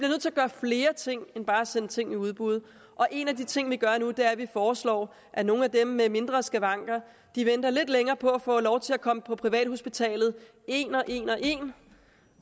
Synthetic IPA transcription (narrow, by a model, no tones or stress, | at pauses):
i̥b̥liɐøð̰ˠt͡sʰe̝æɐɡ̥ɶːɐfle̝ːɐt͡sʰe̝ŋ̰enb̥ɑ̈ːæsenət͡sʰe̝ŋ̰iuð̞ˠb̥uð̞̩ˠ | ʔɒ̽ʔe̝næd̥it͡sʰe̝ŋ̰ʋiɡ̥ɶɐnud̥e̝æɐʋifɒːslɒ̰ː | ʔæno̝ːn̩æd̥emːeme̝nd̥ʁɐsɡ̥æʋɑ̈ŋ̰ɡ̥ɐ | d̥iʋen̰d̥ɐle̝d̥leŋɐːpʰɒ̽æfɔ̰̽ːlɒʊt͡sʰe̝lækʰɒ̽məpʰɒ̽pʰʁiʋɛ̰ːd̥ho̝sb̥it͡sʰɛ̰ːlð̩ˠ | e̝ːnɒ̽ʔe̝̰ːnɒ̽ʔe̝̰ːn